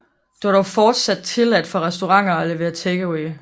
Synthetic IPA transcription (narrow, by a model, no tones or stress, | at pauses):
d̥uɑɐɾ̥ɒʊfɒːd̥sæd̥̚t͡sʰe̝læd̥fɒ̽ʁɛsd̥o̝ʁɑ̈ŋ̰ɐɒ̽le̝ʋe̝̰ːɐt͡sʰeɡ̥əweː